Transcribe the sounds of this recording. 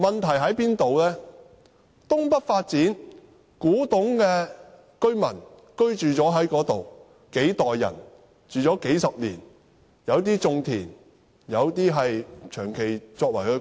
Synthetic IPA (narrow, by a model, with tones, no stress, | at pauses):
mɐ˨nt̪ʰɐ˨˩jɦɐ˨˥jpiː˥nt̪o˨wlɛː˥ | t̪ʊ˥ŋpɐ˥t̚faː˧t̚t͡siː˨˥n | kuː˨˥t̪ʊ˨˥ŋkɛː˧ | kɵ˥ɥmɐ˨˩n | kɵ˥ɥt͡ʃyː˨t͡sɔː˨˥ɦɐ˨˥jkɔː˨˥t̪o˨w | ke˨˥jt̪ɔː˨jːɐ̰˨˩n | t͡ʃyː˨t͡sɔː˨˥ke˨˥jsɐ˨p̚lḭː˨˩n | jɐ˨˧wt̪̬iː˥t͡sʊ˧ŋt̪ʰiː˨˩n | jɐ˨˧wt̪iː˥ɦɐ˨jt͡ʃʰœː˨˩ŋkʰe˨˩jt͡sɔː˧k̚wɐ˨˩jkɵ˨˧